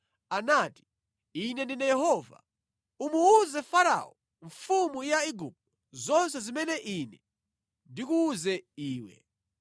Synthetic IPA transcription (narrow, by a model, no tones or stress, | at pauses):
anaːti̥ | inɛndinɛjɛɦɔva̰ | umuuzɛfaɾa̰ɔ | ɱfumujaiɡup̚tɔ̥ | zɔns̬ɛzimɛnɛʔinɛ | ndikuːzɛiːwɛ̰